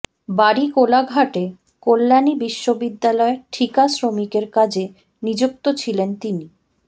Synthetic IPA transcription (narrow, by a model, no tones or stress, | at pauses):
baɽikolaɡʱaʈe | kolːanibiʃːobid̪ːalɔeɾʈʰikasɾomikeɾkad͡ʑe | nid͡ʑuk̚t̪ot͡ɕʰilent̪ini